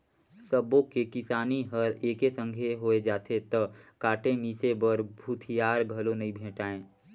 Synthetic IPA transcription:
səbõkekɪsaːniɦɐɾeːkesə̃ŋɡʱeɦoːed͡ʒaːt̪ʰet̪ɐkaːʈemisebəɾbʱut̪ʰijaːɾɡʱɐlonɐɦĩbʱẽːʈaːẽː

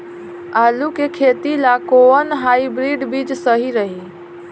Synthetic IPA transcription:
alukekʰet̪ilakoənɦaibɾiɖbid͡ʒsəɦiɾəɦi

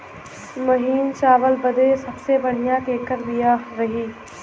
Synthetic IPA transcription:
mɐɦiːnt͡ʃaːʋəlbɐd̪esɐbsebɐɽ̤ijakeːkəɾbijaɾɐɦiː

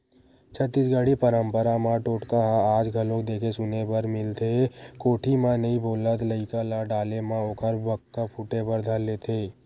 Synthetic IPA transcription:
t͡ʃʰət̪ːisɡaɽipəɾəmpəɾamãʈoːʈkaɦãaːd͡ʒɡʱəlõk̚d̪eːkʰesʊnebəɾmɪlt̪ʰekoːʈʰimãnĩboːlət̪ləɪkalaɖaːlemãoːkʰəɾbəkːapʰuʈebəɾd̪ʱəlːet̪ʰe

